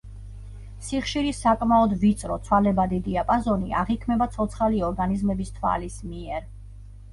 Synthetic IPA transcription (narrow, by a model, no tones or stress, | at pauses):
siχʃiɾisakʼmaɔd̪vit̪sʼɾɔt̪sʰwalɛbad̪id̪iapʼazɔnia̰ʁikʰmɛbat̪sʰɔt̪sʰχaliɔɾɡanizmɛbist̪ʰwa̰lismiɛɾ